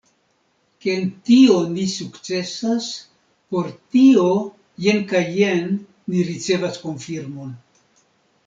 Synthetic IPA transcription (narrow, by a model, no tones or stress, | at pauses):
kentio̞nisukt͡se̞sas | po̞ɾtio̞ | jenkajːenː | iɾit͡se̞vasko̞nfiɾmo̞n